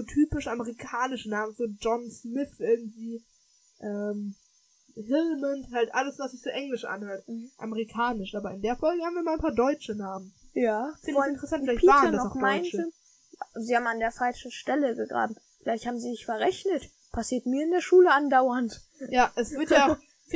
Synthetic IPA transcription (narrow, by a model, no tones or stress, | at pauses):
zoːtʰyːpɪʃʔaməʁikʰaːnɪʃənaːmənfyːɐd͡ʒɔnsmɪθʔɪɐɡŋ̩tv̥iː | ʔɛːm | hɪlmənthaltʔaləsv̥asz̥ɪçz̥oːʔɛŋlɪʃʔa̰nhøːɐt̩ʔa̰məʁikʰaːnɪʃʔaːbɐɪndeːɐfɔlɡəhaːbmviːɐmaːlanpʰaːɐdɔʏt͡ʃənaːmənjaːfɪɔalɪntʁɛsantfɪlaɪpivaːtʁɐdanɔaʊxmdaɪnə | ziːhaːbm̩andeːɐfalʃn̩ʃtɛləɡəɡʁa̰ːbm̩ | fɪlaɪçthaːbm̩ziːnɪçfɛɐʁɛçnət | pʰasiːɐtmiːɐɪndeːɐʃuːləandaʊɐnt | jaːʔɛsv̥ɪɐtja